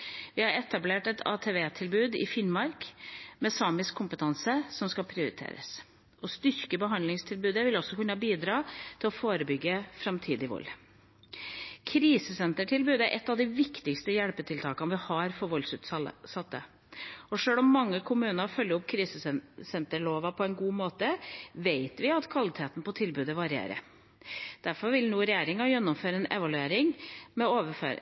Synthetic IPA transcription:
ʋɪhɑɾɛt̪ɑbleːʈɛt̪ʰɑ̰ːt̪ʰeːʋeːt̪ʰɪlbʉːd̪ɪ̰fɪnmɑɾkmɛsɑːmɪskkʰːʊmpət̪ʰɑnsəsɔmskɑlpʰɾɪʊɾɪ̰t̪ʰḛːɾə̰s | ɔst̪ʏɾkəbəɦɑnlɪŋst̪ʰɪlbʉːd̪əʋɪlɔsːɔkʉnːəbiːd̪ɾɑːt̪ʰɪlɔfoːɾəbʏɡːəfɾɑmt̪ʰiːd̪ɪʋɔ̰lː | kʰɾiːsəsɛnt̪əʈʰɪlbʉːd̪əæɾʔɛt̪ːɑʋd̪ɪʋɪkt̪ɪkst̪əjɛɽpət̪ʰɪlt̪ʰɑːkɑnʋɪhɑɾfɔɾʋɔlsʉːt̪sɑt̪ːə | ɔʂøːlɔmːɑŋːəkʰʊmʉːnɑfœlːəʊp̚kʰɾiːsəsɛnt̪əɭoːʋɑpʰɔɛnɡuːmoːt̪əʋeɪt̪ʋɪɑt̪kʰʋɑlɪt̪ʰeːt̪n̩pɔt̪ʰɪlbʉːd̪əʋɑɾɪḛːɾə̰ | d̪̥æɾfɔɾʋɪlnuːɾɛjeːɾɪŋɑjɛnːɔmføːɾəɛnɛ̰ʋɑlʉeːɾɪŋmɛoːʋəfø̰ː

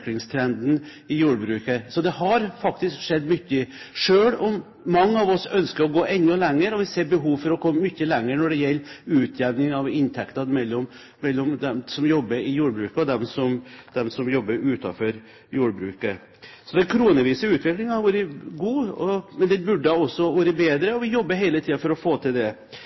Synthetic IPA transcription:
klɪŋst̪ʰɾɛnd̪n̩ | ɪjuːɖbɾʉːkəsɔd̪ɛɦɑɾfɑkt̪ɪskʂɛd̪ːmʏçːə | ʂøːɭɔmː | ɑŋːəɑʋɔsœnskəɾɔɡoːʔɛnːʊlɛŋːəɾɔʋɪseːɾbəɦuːʋfɔɾɔkʰɔmːmʏçːəlɛŋːəɾnɔɖɛjɛlːʉːt̪ʰjæʋnɪŋɑʋɪnt̪ʰɛkt̪ɑnmɛlːɔm | mɛlːɔmd̪ɛmsɔmjɔbːəɾɪjuːɖbɾʉːkəɔd̪ɛmsɔmd̪̥ɛmsɔmjɔbːəɾʉːt̪ɑ̰fɔɾ | juːɖbɾʉ̰ːkə | sɔd̪ɛkʰɾuːnəʋiːsəʉːt̪ʰʋɪklɪŋhɑɾʋuːɾəɡuːɔmɛnd̪ɛbʉɖːəɔsːɔʋuːɾəbeːd̪ɾəɔʋɪjɔbːəɾɦeɪlət̪ʰiːɑfɔɾɔfoːt̪ʰɪld̪ɛ

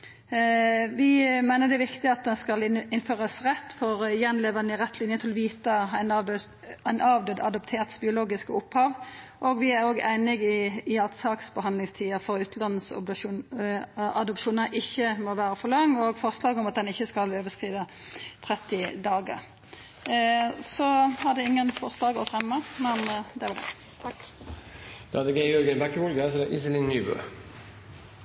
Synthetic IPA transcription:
ʋɪmæɪnəd̪ɛʋɪkt̪ɪɑt̪̚d̪ɛnskɑlɪnføːʁəsʁɛt̪ːfɔʁjɛnleːʋənəɪʁɛt̪ːlɪnjət̪ʰɪlɔʋiːt̪əæɪn | nʔɑːʋd̪ød̪ɑ̰d̪ɔpt̪ʰeːʁt̪sbɪʊloːɡɪskəʊphɑːʋ | ʔɔɡʋɪæɾoːɡæ̰ɪnɪɡɪːɑt̪sɑːksbəɦɑnd̪lɪŋst̪ʰiːəfɔʁʉːt̪nɑnːəs | ɑd̪ɔpʃuːnəɾʔɪçːəmɔʋæːɾəfɔʁlɑŋːɔɡfɔʁslɑːɡɔmɑt̪̚d̪ɛnɪçːəskɑløːʋəskʁiːd̪ə | t̪ʰʁɛt̪ːɪd̪ɑːɡə̰ʁ | sɔhɑd̪ɛɪŋːənfɔʁslɑːɡɔfɾɛmːəmɛnd̪ɛʋd̪ɛ̰ | d̪̥ɑd̪əɡɛɪjɔɾɡənbɛkːəhɔlɡəsɔd̪ɛʔɪsəlɪnːyːbø̰

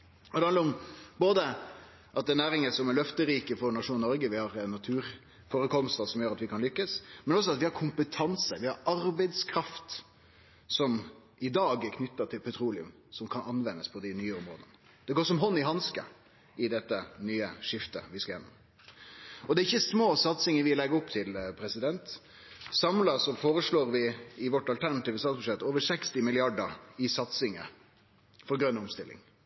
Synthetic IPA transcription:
ɔd̪ɛhɑnəɾɔmboːd̪ə | ʔɑt̪̚d̪ɛnæːɾɪŋəsɔmɛɾlœft̪əɾiːkəfɔɾnɑʂuːnnɔɾɡəʋɪhɑɾnɑt̪ʰʉːɾ | foːɾəkʰɔmst̪əsɔmjøːɾɑt̪ʋɪkʰɑnlʏkːəsmɛnɔs̬ɔɑt̪ʋɪhɑɾkʰʊmpət̪ʰɑnsəʋɪhɑɾɑɾbɛɪd̪skʰɾɑft̪ | sɔmʔɪd̪ɑːɡkʰnʏt̪ːət̪ʰɪlpʰɛt̪ʰɾuːlɪʉ̰m | sɔmkʰɑnɑnʋɛnːəspʰɔd̪ɪnyːəɔmɾo̰ːd̪ənə | d̪̥ɛɡoːʂɔmɦɔnːɪɦɑnskə̰ | ɪd̪ɛt̪ːənyːəʂɪft̪ə̰ʋɪskɑjɛnːɔ̰m | ɔd̪ɛɾɪçːəsmoːsɑt̪sɪŋəʋɪlɛɡəɾɔpːt̪ʰɪlpʰɾɛsɪd̪ɛnt̪ | sɑmlɑsɔfoːɾəʂɭoːɾʋɪɪʋɔʈɑlt̪ʰæɾnɑt̪iːʋəsɑːt̪sbʉʂɛt̪ːoːʋəʂɛkst̪ɪmɪlɪɑɖəɾɪsɑt̪sɪŋə̰ | fɔɾɡɾœnɔmst̪ɪlːɪ̰ŋ

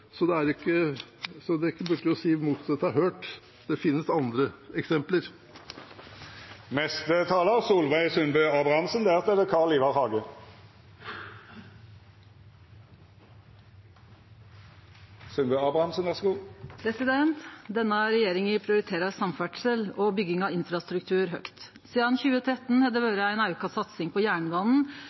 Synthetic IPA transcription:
sɔd̪ɛæɾɪkːəsɔd̪ɛɪkːəbʉɾkːəɾjʊɔsiːmuːt̪sɛt̪ʰːɑɦøːʈ | d̪̥ɛfɪnːəsɑnd̪ɾəɛksɛmpləɾ | mɛst̪ət̪ʰɑːləsuːlʋæɪsʉnbœɑːbʁɑhɑmsənd̪æːʁt̪ɛd̪əkʰɑːʁɭiːʋɑʁhɑːɡə | sʉnbœːɑːbʁɑhɑmsənʋæʁsɡuːpʰɾɛsɪd̪ɛnt̪d̪ɛnːəɾɛjeːɾɪŋɪpʰɾɪʊɾɪt̪ʰeːɾɑɾsɑmfæʈʂəlɔbʏɡɪŋɑɪnfɾɑst̪ɾʉk̚t̪ʰʉːɾɦœ̰kt̪ | siːd̪ɑnçʉːət̪ʰɾɛt̪nhɛd̪əʋøːɾəæɪnɑʉkɑsɑt̪sɪŋpʰɔjæːɳbɑːnn̩

